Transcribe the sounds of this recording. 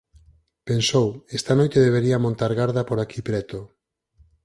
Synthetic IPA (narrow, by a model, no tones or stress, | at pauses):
pensowest̪anojt̪eðeβ̞eɾiamõnt̪aɾɣaɾðapoɾakipɾɛt̪o